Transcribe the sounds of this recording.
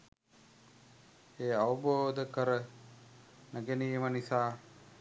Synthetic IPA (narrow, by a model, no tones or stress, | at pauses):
eːaʋəboːd̪əkəɾə | nəɡenijəmənisaː